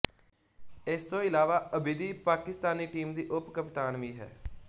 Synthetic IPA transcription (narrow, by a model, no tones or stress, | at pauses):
ɪst̪õːɪlaːʋaːəbɪd̪iːpaːkɪst̪aːniːʈiːmd̪iːʔʊpkəpt̪aːnʋiːɦɛ̰ː